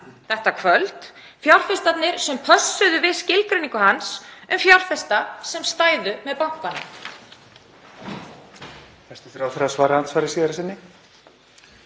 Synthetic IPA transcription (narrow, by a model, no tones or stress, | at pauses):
θɛht̪akʰvœlt̪ | fjawr̥fɪst̪at̪nɪɾ̥sɛmpʰœsːʏðʏvɪðscɪlkɾʏniŋkʏhansʏmfjawr̥fɛst̪asɛmst̪aːjðʏmɛðpaŋ̥kvanʏ | ɛ̥st̪ʏfɾawθɛɾasvaːɾahansfaːɾɪsiːðɾasɪnːɪ